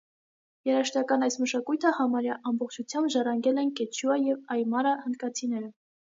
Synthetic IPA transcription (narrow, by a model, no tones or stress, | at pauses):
jɛɾɑʃt̪ɑkɑnɑjsməʃɑkujt̪ʰəhɑmɑɾjɑʔɑmbɔχt͡ʃʰut͡sʰjɑmbʒɑrɑŋɡɛlɛnkɛt͡ʃʰuɑjɛvɑjmɑɾɑhənd̪kɑt͡sʰinɛɾə